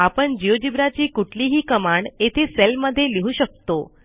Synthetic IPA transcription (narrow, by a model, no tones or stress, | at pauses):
apəɳd͡ʒijod͡ʒibɾat͡ʃikuʈliɦikəmaɳɖet̪ʰiselməd̪ʱeliɦũʃək̚t̪o